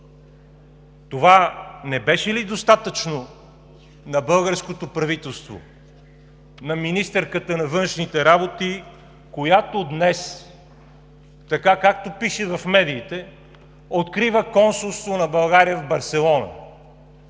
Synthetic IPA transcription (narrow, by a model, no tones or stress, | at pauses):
t̪ovanɛbɛʃɛlid̪ost̪at̪ət͡ʃno | nɐbɤlˠɡəɾskot̪opɾɐvit̪ɛlˠst̪vo̰ | nɐminist̪ɛɾkət̪ənɐvɤnʃnit̪ɛɾabot̪i | kojat̪od̪nɛs | t̪ɐkakak̚t̪opiʃɛvɐfmɛd̪iːt̪ɛ | ot̪kɾivəkɔnsulˠst̪vonɐbɐlˠɡaɾijəvbɐɾsɛlˠɔnɐ̰